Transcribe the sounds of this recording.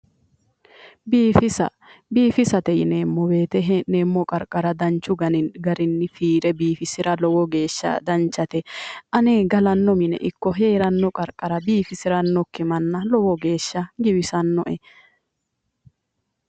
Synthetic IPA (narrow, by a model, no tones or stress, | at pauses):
biːfɪsɐ | biːfɪsɐt̪ɛjneːmːɔbeːt̪ɛɦneːmːɔkʼɐɾkʼːɐɾɐd̪ɐnt͡ʃːʊɡɐnɪɡɐɾɪnːɪfiːɾɛbiːfɪsɪɾɐlɔwɔɡe̞ːʃːɐ̰d̪ɐnt͡ʃːɐt̪ɛʔɐneːɡɐlɐnːɔmɪnɛ̰ʔɪkːɔɦe̞ːɾɐnːɔkʼɐɾkʼːɐɾɐbiːfɪsɪɾɐnːɔkːɪmɐnːɐlɔwɔɡe̞ːʃːɐɡɪbɪsɐnːɔʔɛ